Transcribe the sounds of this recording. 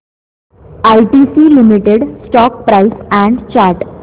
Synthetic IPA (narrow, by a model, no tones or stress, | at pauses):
ajʈisiːlimiʈeɽsʈɔk̚pɾaisæ̃ɳɖt͡ɕaɾʈ